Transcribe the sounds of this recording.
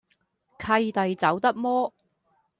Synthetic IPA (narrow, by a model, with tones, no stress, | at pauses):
kʰɐ˧jt̪ɐ˨jt͡sɐ˨˥wt̪ɐ˥k̚mɔː˥